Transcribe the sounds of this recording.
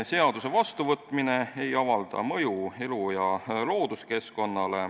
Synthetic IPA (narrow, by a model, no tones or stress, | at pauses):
se̞ɑd̪̥use̞vɑst̪uvɤt̪ˑmine̞e̞jɑvɑld̪̥ɑ̰mɤjue̞lujɑlo̞ːd̪̥uske̞sko̞nːɑle̞